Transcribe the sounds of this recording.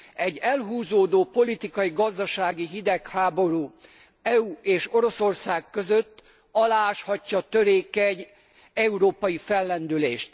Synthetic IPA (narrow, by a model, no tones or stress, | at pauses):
ɛɟːɛlɦuːzoːd̪oːpo̞lit̪ikɒjiɡɒzd̪ɒʃaːɡiɦid̪ɛkhaːbo̞ɾuː | ɛuːeːʃo̞ɾo̞so̞rsaːkkːøzøt̪ː | ɒlaːʃhɒcːɒt̪øɾeːkɛɟ | ɛuɾoːpɒjifɛlːɛnd̪ylḛːʃt̪